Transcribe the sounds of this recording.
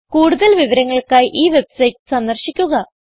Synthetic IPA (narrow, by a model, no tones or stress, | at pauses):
kuːɽuðɐlʋiʋɐɾɐŋːɐɭkaːjʔiːʋe̞bsɐjʈsɐnd̪ɐrɕikʲːuɣɐ